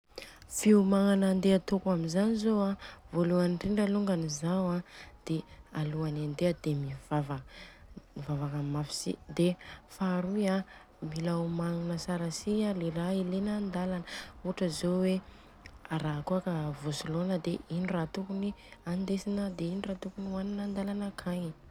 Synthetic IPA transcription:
fiumaŋanand̪eat̪ukamizanizoavoluanʈ͡ʂiɳɖ͡ʐaluŋɡanizawad̪̥ealuanand̪eəd̪̥emivava | mivavakamafi̥sḭd̪efaɾuja | milawmaŋunəsaɾasialerailenand̪alanəuaʈ͡ʂəzowe | aɾakuakəvosilonəd̪einirat̪ukuniand̪esinəd̪einirat̪ukuniwaninand̪alanəkʰaɲ

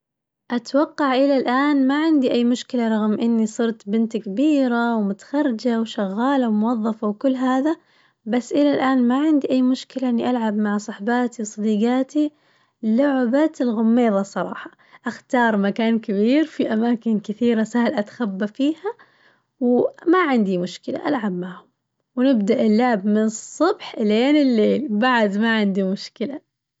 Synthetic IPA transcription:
ʔat̪wɑqːɑʕʔɪlalʔaːnmaʕɪnd̪iʔajːmʊʃkɪlaɾˤɑɣmʔɪnːisˤɨɾt̪bɪnt̪kabiːɾawmʊt̪ḁxɑɾːɪd͡ʒawʃaɣːaːlawmʊwɑðˤːɑfawkʊlːɦaːða | basːʔɪlalʔaːnmaʕɪnd̪iʔajːmʊʃkɪlaʔɪnːiʔalʕabmaʕsˤɑħbaːt̪iwsˤɑd̪iːɡaːt̪i | lʊʕbat̪ɪlɣʊmːeːðˤɑsˤɑɾˤɑ̰ːħɑ̥ | ʔaxt̪ɑːɾˤmakaːnkabiːɾfiʔamaːkɪnkɪθiːɾasahlʔat̪xabːafiːha | wmaʕɪnd̪imʊʃkɪla̰ʔalʕabmaʕhʊm | wnɪbd̪aʔɪlːʊʕbmɪnɨsˤːɑbħʔleːnɪlːeːlbaʕd̪maʕɪnd̪imʊʃkɪla

